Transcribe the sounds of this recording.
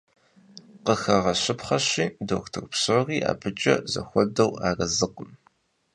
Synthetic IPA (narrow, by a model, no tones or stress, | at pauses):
qəxɐʁɐɕɪpχɐɕiːdoːxtʰɨkʷpsoʁiːʔa̰ːbʰɨt͡ʃʼɐ̰zɐ̰xʷɔdɐwaːrɐzɨqəm